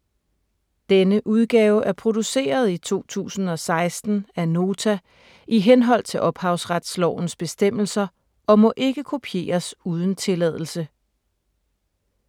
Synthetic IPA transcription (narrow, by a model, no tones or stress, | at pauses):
d̥enəʔuð̞ˠɡ̥ɛːʊʔæɐpʰʁo̝d̥use̝̰ːɐð̞ˠit͡sʰo̝̰ːt͡sʰṵːsn̩ɒ̽sɑ̈ɪsd̥n̩æno̝ːt͡sʰæ | iɦenɦɒ̽l̰t͡sʰe̝lʔɒ̽b̥hɑ̈ʊsʁad̥slɒʊ̰n̩sb̥e̝sd̥em̰l̩sɐ | ɒ̽mɒ̽ʔe̝ɡ̥əkʰo̝pʰije̝̰ːɐsuːð̞ˠən̩t͡sʰe̝lɛð̞ˠl̩sə